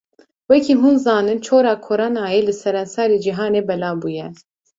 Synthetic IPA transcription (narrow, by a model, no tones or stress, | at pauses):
wɛkʰiːɦuːnzɑːnɨnt͡ʃʰoːɾɑːkʰoɾɑːnɑːjeːlɨsɛɾɛnsɑːɾiːd͡ʒiɦɑːneːbɛlɑːbuːjɛ